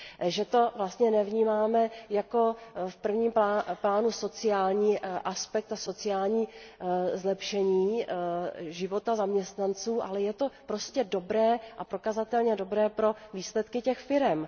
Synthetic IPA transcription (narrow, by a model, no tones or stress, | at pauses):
ʒɛt̪o̞vlast̪ɲɛnɛvɲiːmaːmɛjako̞fpr̩vɲiːmaplaːnuso̞t͡sɪjaːlɲiːʔaspɛk̚t̪aso̞t͡sɪjaːlɲiː | zlɛpʃɛɲiː | ʒɪvo̞t̪azamɲɛst̪nant͡suːʔa̰lɛjɛt̪o̞pɾo̞scɛdo̞bɾɛːʔapɾo̞kazat̪ɛlɲɛdo̞bɾɛːpɾo̞viːslɛt̪kɪcɛxfɪɾɛm